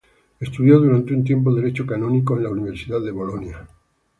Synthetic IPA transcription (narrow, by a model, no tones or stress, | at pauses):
est̪uðjoðuɾant̪eunt̪̬jemp̬oðeɾet͡ʃokanõnikoenlauniβ̞eɾsiðaðeβolonja